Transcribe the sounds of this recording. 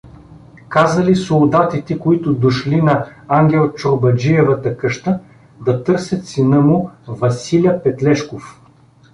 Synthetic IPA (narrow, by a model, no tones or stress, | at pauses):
kazɐlisolˠd̪at̪it̪ɛkoit̪ʊd̪oʃlinɐaŋɡʲɛlˠt͡ʃoɾbɐd͡ʒiɛvət̪əkɤʃt̪ə | d̪ɐt̪ɤɾsɛt̪sinəmuvɐsilʲjɐpɛt̪lɛʃkof